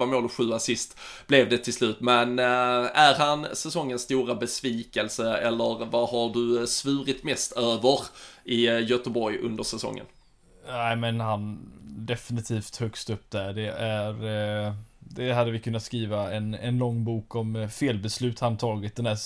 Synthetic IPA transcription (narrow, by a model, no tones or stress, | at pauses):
amoːlɔɧʉ̟ːasɪst̪b̥lɛvd̪ɛt̪ʰɪlslʉ̟ːt̪mɛnæɾɦansɛsɔŋːənst̪uːɾabɛsviːkɛlsəɛlːəɾvahaɖɵsvʉːɾɪt̪mɛst̪ʰøːvəɾʔɪjœt̪əbɔɾjɵ̰nd̪əʂɛsɔ̰ŋːə̰n | æɪmɛnhand̪ɛfɪnɪt̪ʰiːft̪hœkst̪ɵpːd̪̥æɖɛæɾ | d̪ɛɦad̪ːəvɪkʰɵnːat̪skɾiːvaɛnɛnlɔŋːbuːkɔmfeːlbɛslʉ̟ːt̪hant̪ʰɑːɡɪt̪̚d̪ɛnd̪æ